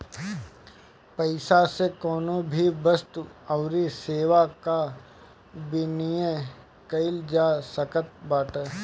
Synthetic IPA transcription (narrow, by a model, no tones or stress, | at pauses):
pɐɪsasekɔːnõbʱibəst̪uɐʊɾiseːʋaka | bɪnijə | kɐɪld͡ʒaːsɐkət̪̚baːʈəː